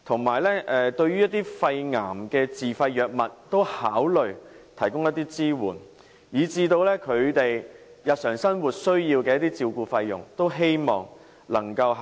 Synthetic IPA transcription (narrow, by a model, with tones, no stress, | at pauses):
t̪ʰʊ˨˩ŋmaː˨˩jlɛː˥ʔɛː˨t̪ɵ˧ɥyː˥jɐ˥t̪̚iː˥fɐ˧jŋaː˨˩mkɛː˧t͡siː˨fɐ˧jːœː˨k̚mɐ˨t̚t̪o˥whaː˨˥wlɵ˨ɥt̪ʰɐ˨˩jkʊ˥ŋjɐ˥t̪̚ːiː˥t͡siː˥wuː˨˩n | jiː˨˧t͡siː˧t̪o˧wlɛː˥kʰɵ˨˧ɥt̪e˨j | jɐ˨t̚sœː˨˩ŋsɐ˥nwuː˨t̚sɵ˥ɥjiː˧wkɛː˧jɐ˥t̪iː˥t͡siː˧wkuː˧fɐ˧jjʊ̰˨˩ŋt̪o˥wɦe˥jmɔː˨˩ŋ | lɐ˨˩ŋkɐ˧w